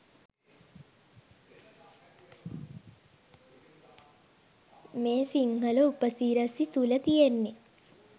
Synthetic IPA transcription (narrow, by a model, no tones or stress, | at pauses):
meːsiŋhəluupəsiːɾɐsit̪ulət̪ijenːi